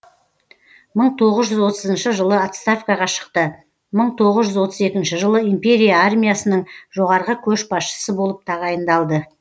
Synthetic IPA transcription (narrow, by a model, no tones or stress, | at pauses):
məɴt̪ʰo̞ʁəzʒʏzwo̞t̪əzənʃɪʒəlˠəat̪st̪afkɑʁɑʃə̥qt̪ə | məɴt̪ʰo̞ʁəzʒʏzwo̞t̪əze̞kʲɪnʃɪʒəlˠəimpe̞ɾijaarmʲijasənəɴʒo̞ʁɑɾʁəkʲʰɵʃbɑsʃə̥səbo̞lˠəp̚t̪ʰɑʁɑjənd̪ɑlˠd̪ə